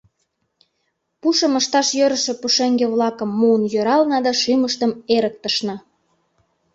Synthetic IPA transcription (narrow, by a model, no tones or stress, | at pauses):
puʃə̆məʃt̪ɑʃjøɾə̆ʃĕpuʃeŋɡeβlɑkəmːuənjøɾɑlnɑd̪ɑʃyməʃt̪əmeɾək̚t̪əʃnɑ